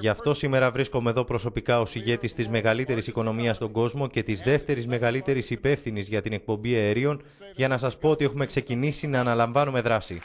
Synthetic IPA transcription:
ʝɐft̪o̞sime̞ɾɐvɾisko̞me̞ðo̞pɾo̞so̞pikɐo̞siʝe̞t̪ist̪izme̞ɣɐlit̪e̞ɾisiko̞no̞miɐst̪o̞ɡo̞zmo̞ce̞t̪izðe̞ft̪e̞ɾizme̞ɣɐlit̪e̞ɾisipe̞fθinizʝɐt̪ine̞k̚po̞mbieeɾio̞n | ʝɐnɐsɐspo̞ot̪ie̞xume̞kse̞cinisinɐːnɐlɐɱvɐnume̞ðɾɐsi

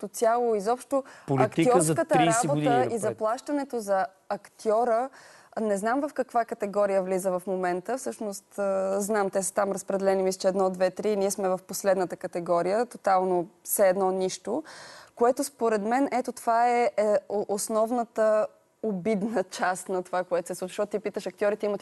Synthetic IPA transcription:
t̪osʲjalˠoizɔpʃt̪ʊpoliɐk̪t̪iiɔɾkət̪əɾɾisaɛboɡt̪əizɐplˠaʃt̪ɐnɛt̪ozɐː | kt̪iɔɾə | nɛznamvəfkɐkvakət̪ɛɡɔɾijəvlizəvɐfmomɛnt̪əfsɤʃnost̪əznamt̪ɛsə̥t̪amɾəspɾɛd̪ɛlɛnimisɛt͡ʃɛd̪nɔd̪vɛt̪ɾiːniɛsmɛvɐfposlɛd̪nət̪əkət̪ɛɡɔɾijət̪ot̪alˠnosɛːd̪nɔniʃt̪okoɛt̪ʊspoɾɛd̪mɛnʔɛt̪ot̪ovaɛʔosnɔvnət̪ə | obid̪nət͡ʃast̪nɐt̪ovakoɛt̪o̥sɛsˠut͡ʃəʃt̪ɔt̪̚t̪ipit̪əʃɐk̚t̪ʲɔɾit̪ɛimət̪

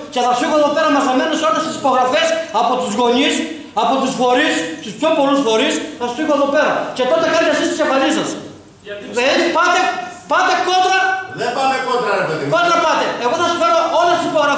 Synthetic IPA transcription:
ce̞θɐsfixoðo̞pe̞ɾɐmɐsɐme̞noseolest̪isi̥po̞ɣɾɐfesɐpo̞t̪uzɣo̞ɲis | ɐpo̞t̪usfo̞ɾisst̪uspço̞po̞lusfo̞ɾisθɐssixoeðo̞pe̞ɾɐce̞t̪o̞t̪ekɐnit̪esist̪isefɐlisɐs | epɐt̪e | pɐt̪e̞kond̪ɾɐðepɐt̪ekod̪ɾɐɾepeðikod̪ɾɐpɐt̪eeɣoθɐsu̥feɾoo̞lest̪isipo̞ɣɾɐ

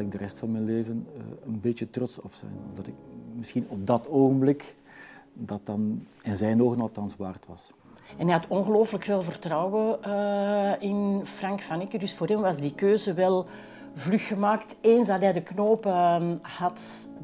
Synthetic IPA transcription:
lɪɡ̚dəɾɛstfɑnmɛjnleːvənənbetətrɔtsɔpsɛ̰jnɔ̰mdɑtɪkmɪsxinɔb̚dɑtoːɣənblɪk | dɑt̚dɑn | ɛnzɛjnoːɣənɑlˠtɑnsʋaːrtwʋɑs | ɛnɦɛjɦɑtɔnɣəloːfələkfeːlˠvərtrɑwwə | ɪnfrɑŋkfɑnɪkədʏsfoːrɾɦɛmʋɑzdikøːzəʋɛlˠ | vlyxːəmaːkteːnzdɑtɦɛjdəknoːpəhɑt

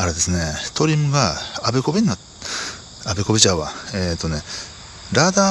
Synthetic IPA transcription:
aɾe̞d̪e̞sɨne̞t̪ʰo̞ɾʲimɯ̟ɡaːbeko̞beɲːa | abeko̞bet͡ɕaβaeːt̪ːo̞ne | ɾaːd̪aː

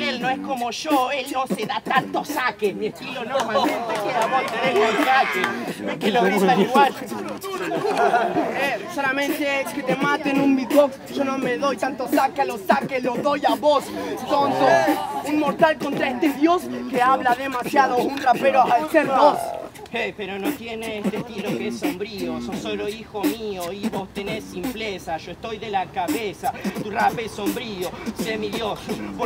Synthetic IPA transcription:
elnoeskomoʃoelnoseðat̪ant̪osakemiespiɾonoɾmasent̪ekeðaβost̪eðeɣolkakemeŋkeloɣɾist̪aliɣwal | esolamẽnt̪eket̪emat̪enumbit̚boksʒ̥onomeðojt̪ant̪osakealost̪akeslozðojaβost̪ont̪ounmo̞ɾt̪alko̞nt̪ɾaest̪eðjo̞skeaβlaðemasjaðounrapeɾoaaseɾðos | epeɾo̞not̪jeneest̪est̪ilokeesːo̞mbɾiososoloixomioiβost̪enesːimplesaʒ̥o̞est̪o̞jðelakaβesat̪urapeesombɾiosemiðjosop

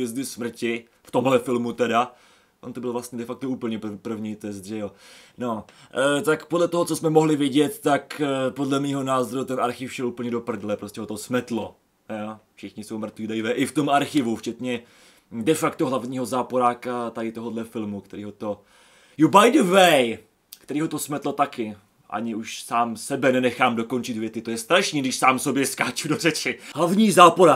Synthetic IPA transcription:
ɛzd̪ɪsmr̩cɪ | ft̪omɦlɛfɪlmut̪ɛda | ʔont̪obɪlvlast̪ɲɛdɛfakt̪ouːpl̩ɲɛpr̩vɲiːt̪ɛs̬t̪ʒɛjonot̪akpodlɛt̪oɦot͡sosmɛmoɦlɪvɪɟɛt̪ːakpo̞dlɛmiːɦo̞naːzoɾut̪ɛnʔaɾxɪfʃɛluːpl̩ɲɛdo̞pr̩dlɛpɾo̞stcɛɦot̪osmɛt̪lo | jafʃɪxɲɪsowmr̩t̪viːdajvɛʔɪft̪o̞maɾxɪvuft͡ʃɛt̪ɲɛ | dɛfakt̪oɦlavɲiːɦo̞zaːpoɾaːkat̪adɪt̪o̞ɦodlɛfɪlmukt̪ɛɾiːɦo̞t̪o̞ | jubajdəvɛj | kt̪ɛɾiːɦo̞t̪osmɛt̪lot̪akɪ | ʔa̰ɲɪuʃsaːmsɛbɛnɛnɛxaːmdo̞ko̞nt͡ʃɪt̪vjɛt̪ɪt̪o̞jɛst̪ɾaʃniːɡdɪʃsaːmso̞bjɛskaːt͡ʃudorɛt͡ʃɪɦlavɲiːzaːpoɾa

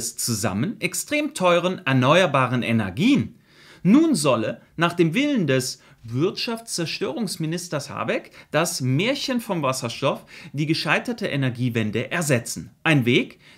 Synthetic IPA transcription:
st͡suza̰mənʔɛkstʁ̥eːmtʰɔʏʁ̞ənɛɐnɔʏɐbaːʁənʔenɛɐɡiːənː | uːnzɔlə | naːχd̥eːmvɪləndɛs | vɪɐtʃaft͡st͡sɛɐʃtøːʁ̞ʊŋsmɪnɪstɐsha̰ːbɛkd̥asmeːɐçənfɔmvasɐʃtɔfd̥iːɡəʃaɪtɐtəʔenɛɐɡiːvɛndəʔɛɐzɛt͡sn̩ʔaɪnveːk

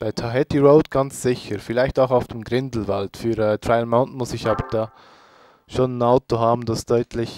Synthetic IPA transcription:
b̥aɪtʰaɦɛtiɹoʊtɡ̥ɑnt͡sz̥ɪçəɾfɪlaɪçtaʊxaʊfd̥emɡʁɪndl̩valtfyːɾɛːtɹaɪlmaʊntnmʊsɪçɑːbəd̥ɑː | ʃonənaʊtoɦaːbn̩d̥asd̥ɔʏtʰlɪç

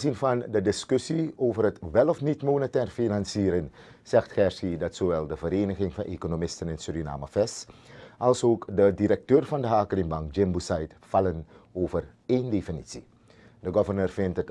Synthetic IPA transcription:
zinvɑndədɪskøsioːvərɦətʋɛlɔfnitmoːnətɛːrfinɑnsiːɾən | z̥ɛxtxɛrsidɑtsoːʋɛlˠdəvəɾeːnəχɪŋfɑnʔḛːkonomɪstənɪntsyrina̰ːmə̰fɛsʔɑlˠsoːkdədiɾək̚tøːrvɑndəɦaːkəlɪŋbɑŋkd͡ʒɪmbusɛjtfɑlən | oːvər | endefinisi | dəɡɔvərnøːrvɪntət

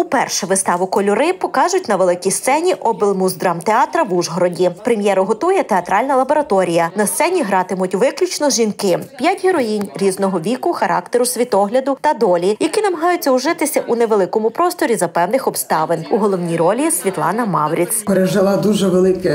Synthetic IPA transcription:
upɛrʃɛʋɪst̪ɑʋʊkɔlʲɔɾɪpɔkɑʒʊtʲnɐʋelˠɪkʲijst̪sɛnʲiʔɔbɪlˠmuzd̪ɾɑmt̪eɑt̪ɾɐʋuʒɦɔɾɔdʲipɾemʲjɛɾʊɦɔt̪ujɛt̪eɐt̪ɾɑlʲnɐlˠɐbɔɾɐt̪ɔɾʲijɐnɐst̪sɛnʲiɦɾɑt̪ɪmʊtʲʋɪklʲʊt͡ʃnɔʒʲinkɪpʲjatʲɦeɾɔjinʲɾʲiznɔɦɔʋʲikʊxɐɾʔɑ̰k̚t̪eɾʊsʲʋʲit̪ɔɦlʲɐd̪ʊt̪ɐd̪ɔlʲijɐkinɐmɐɦɑjʊt͡sʲːɐwʒɪt̪ɪsʲɐʔunɛʋelˠɪkɔmʊpɾɔst̪ɔɾʲizɐpɛwnɪxɔbst̪ɑʋɪnuɦɔlˠɔwnʲijɾɔlʲisʲʋʲit̪lˠɑ̰nɐmɑwɾʲit͡s̪ʲpeɾeʒɪlˠɑd̪uʒɛʋelˠɪkɛ

